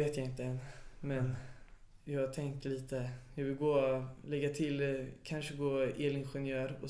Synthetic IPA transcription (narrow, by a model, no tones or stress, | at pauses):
eːt̪jaɪnt̪əɛnmɛn | jɑːt̪ʰɛŋk̚t̪əliːt̪əjɑvɪlɡoːlɛɡːat̪ʰɪlkʰanʂəɡoːeːlɪnɧɛnjœːɾɔ